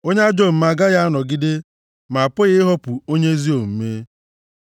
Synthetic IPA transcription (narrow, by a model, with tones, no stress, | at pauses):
o˦ɲ˦a˦d͡ʒo˦˨m̩˨˦ma˨ɡa˦ɣa˦a˦nɔ˨ɡɪ˦de˦ | ma˨a˨pʊ˦ɣɪ˦ɦɔ˦pʊ˨o˦ɲe˦zi˦o˨m̩˦me˦